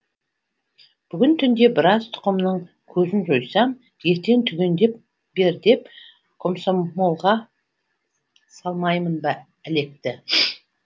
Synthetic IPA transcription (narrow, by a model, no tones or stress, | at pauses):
b̥ʏɡʲɪnt̪ʰʏnd̪e̞bɪɾɑzt̪ʰʊ̥qəmnəɴ | kʲʰɵzɪnʒojsɑm | je̞ɾt̪e̞ŋt̪ʰʏɡʲe̞nd̪e̞p̚ | be̞ɾd̪e̞p | kʰomsomo̞lˠʁɑ | sɑlˠmɑjmənbɑ | æle̞k̚t̪ɪ